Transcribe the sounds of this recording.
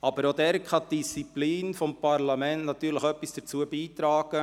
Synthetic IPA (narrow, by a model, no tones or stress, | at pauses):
ɑb̥əɾod̪ɛːɾkʰɑt̚d̥ist͡sipliːnfɔmpɑɾlɑmɛntnɑt̪ːyːləxœpːisd̥əɾt͡suəbiːt̪ɾɑːɡ̥ə